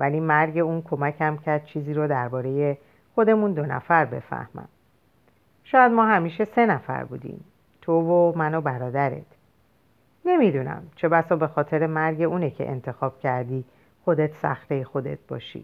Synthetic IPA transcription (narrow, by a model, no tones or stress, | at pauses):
væliːmæɾɟe̞uːnkʰo̞mæcʰæmcʰæɾd̪̚t͡ʃʰiːziːɾod̪æɾbɒːɾe̞je̞ | xod̪e̞mund̪o̞næ̰fæɾbe̞̰fæ̰hmæ̰m | ʃɒːjæd̪mɒːɦæmiːʃe̞se̞næfæ̰ɾbṵːd̪ḭːm | t̪ʰovomænobæɾɒːd̪æɾe̞̰t̪ʰ | ne̞mid̪uːnæ̰mt͡ʃʰe̞bæsɒːbe̞xɒːt̪ʰe̞ɾe̞mæɾɟe̞ʔuːnecʰe̞̰ʔḛnt̪ʰe̞xɒːb̥̚cʰæɾd̪iː | xo̞d̪e̞t̪ʰsæ̰xɾejexo̞d̪e̞̰t̪̚bɒ̰ːʃḭ